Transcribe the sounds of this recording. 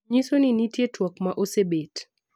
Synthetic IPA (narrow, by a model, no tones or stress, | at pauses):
ɲisoninitjetwakmaʔosebet